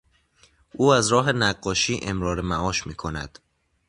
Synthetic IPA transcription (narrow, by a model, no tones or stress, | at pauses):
ʔuːæzɾɒːɦe̞næɢːɒːʃiːʔe̞mɾɒːɾemæɒːʃmiːkʰo̞næ̰d̪̥